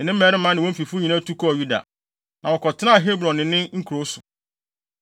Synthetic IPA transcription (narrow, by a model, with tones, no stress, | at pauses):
nɪ̃˨nɪ̃˦m̩˦ɛ˨ɾɪ˦m̩ː˦ã˦nɪ̃˨wɔ̃˦m̩˦fi˨fʊ˦ɲĩ˨nã˦tʰu˦kʰɔ˦˨ju˦da̰˨ | nã˨wɔ˨kʰɔ˨tʰɪ˦nã˦a˨ɦe˦bɾɔ̃˨nːɪ̃˨nɪ̃˦ŋ̩˦kʰu˨ɾo˦sʊ˨